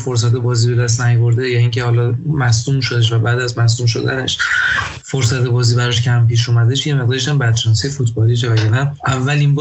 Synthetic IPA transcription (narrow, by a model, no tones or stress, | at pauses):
foɾs̬æt̪̬ʰebɒːzibe̞d̪æs̬t̪̚næjobo̞ɾd̪ejɒːiŋcʰehɒːlɒmæsd̪uːmʃo̞d̪eʃ̬væbæːd̪æzmæs̬d̪uːmʃo̞̰d̪æ̰nḛʃ | foɾsæt̪ʰebɒːziːbæɾɒʃcʰæmpiːʃ̬umæd̪eʃjemeʁ̚d̪ɒːɾeʃæmbæd̪d͡ʒænsijefut̪ʰbɒːliʃ̬evæjɒnæʔævːælinb